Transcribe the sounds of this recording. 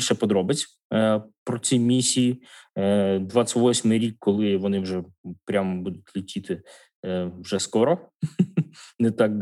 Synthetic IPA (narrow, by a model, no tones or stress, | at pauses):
ʃɛpɔd̪ɾɔbɪt͡sʲ | pɾɔt͡sʲijmʲisʲiji | d̪ʋɑt͡sʲʋɔsʲmɪjɾʲikʰːɔlˠɪʋɔnɪwʒɛpɾʲambud̪ʊtʲlʲɪtʲit̪ɪ | wʒɛskɔɾɔ | nɛt̪ɑk